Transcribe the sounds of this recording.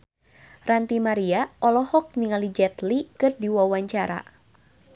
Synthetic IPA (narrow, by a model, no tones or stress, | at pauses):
rant̪imaɾiaʔɔlɔhɔk̚niŋalid͡ʒɛt̪likɨrdiwawaɲt͡ʃaɾa̰